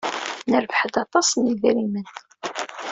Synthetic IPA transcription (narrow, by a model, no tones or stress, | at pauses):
nəɾvħəd̪ɑt̪ˤːɑsˤniðɾimən